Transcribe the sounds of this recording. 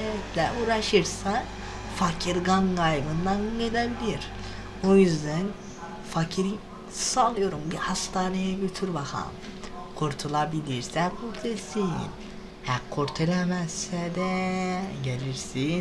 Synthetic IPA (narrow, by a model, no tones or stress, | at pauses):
ɛt̪lʲɛuːɾaʃɯɾsa | facʰiɾɡankajbɯnd̪anɡelʲɛbilʲiɾ̥ | ojyzd̪æn | facʰiɾ | salˠɯjo̞ɾumbihast̪ʰaːnejɛɟøt̪ʰyɾbaxʰa̰m | kʰuɾt̪ʰulˠabilʲiɾsɛkʰːuɾt̪ʰelʲsin | hɛkʰːuɾt̪ʰelʲɛmɛssɛd̪ɛ | ɟelʲiɾsin